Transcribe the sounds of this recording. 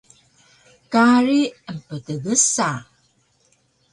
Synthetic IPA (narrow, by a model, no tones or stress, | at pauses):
kaɾiəmpətəɡəsa